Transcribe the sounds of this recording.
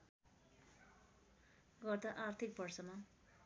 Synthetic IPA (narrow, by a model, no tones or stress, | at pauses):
ɡʌrd̪ʌʔart̪ʰik̚bʌrsʌma